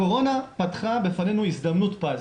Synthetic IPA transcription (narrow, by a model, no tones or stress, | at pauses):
o̞ʁo̞napatχabefane̞nuisd̪amnutpa